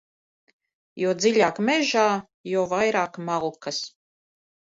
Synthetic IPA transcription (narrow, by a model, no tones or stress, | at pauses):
juɔd̪ziʎʲaːkmɛʒaː | jɔːvajɾaːkmalˠkas